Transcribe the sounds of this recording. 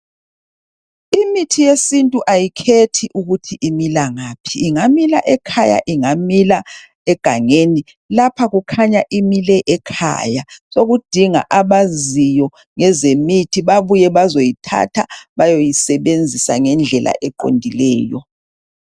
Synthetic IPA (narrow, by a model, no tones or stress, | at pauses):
imitʰijesintʼuʔajikʰetʰiʔuɣutʰiʔimilaŋaːpʰiːŋamila̰ʔɛkʰaja̰ʔiŋamila | ɛɡ̥ʱaŋeni | lapʰaɣukʰaɲaʔimilɛʔɛkʰa̰jasoɣud̥ʱiŋa̰ʔaβazijɔ | ŋɛzemitʰiβaβujɛβazojitʰa̰tʰa̰βajojisɛβend͡zʱisa̰ŋɛnd͡ɮʱɛlʔa̰ʔɛǃo̰ndʱilɛːjɔ